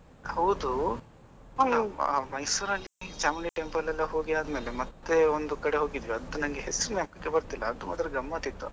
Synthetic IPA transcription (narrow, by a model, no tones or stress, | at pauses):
hɐwd̪u | mɐjsuːɾɐlːid͡ʒaːmiliʈempɐlːɛlːɐɦo̞ːɡiaːd̪me̞ːlemɐt̪ːe̞ond̪ukɐɽe̞ɦo̞ːɡid̪ʋiɐd̪ːunɐŋɡeɦesuɾumjaːmkɐkːebɐɾt̪ilːɐːd̪uma̰ːd̪ɾɐɡɐmːat̪it̪ːṵ